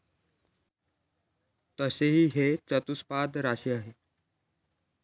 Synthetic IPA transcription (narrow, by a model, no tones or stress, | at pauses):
t̪əseɦiːɦet͡sət̪uspad̪ɾaɕiaɦe